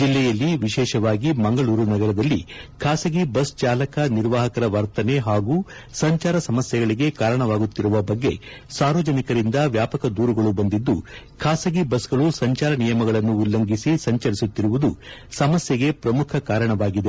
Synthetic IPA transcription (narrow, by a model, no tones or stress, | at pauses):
d͡ʒilːɛjɐlːiʋiʃɛːʃɐʋaːɡimɐŋɡɐɭuːɾunɐɡɐɾɐd̪ɐlːḭkʰaːsɐɡibɐst͡ʃaːlɐkɐniɾʋaːɦɐkɐɾɐʋɐɾt̪ɐne̞ɦaːɡuː | sɐɲt͡ʃaːɾɐsɐmɐsjɛɡɐɭiɡe̞kaːɾɐɳɐʋaːɡut̪ːiɾuʋɐbɐɡːe̞̰ | saːɾʋɐd͡ʒɐnikɐɾind̪ɐʋjaːpɐkɐd̪uːɾuɡɐɭubɐnd̪id̪ːu | kʰaːsɐɡibɐsɡɐɭusɐɲt͡ʃaːɾɐnijɐmɐɡɐɭɐnːuːlːɐŋɡisisɐɲt͡ʃɐɾisut̪ːiɾuʋud̪usɐmɐsjɐɡe̞pɾɐmukʰɐkaːɾɐɳɐʋaːɡid̪e